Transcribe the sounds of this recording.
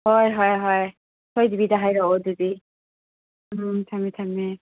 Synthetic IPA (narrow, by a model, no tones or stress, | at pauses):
ɦɔjɦɔjɦɔj | sʰɔjd̪ibidaɦajɾɔod̪idi | t̪ʰamit̪ʰami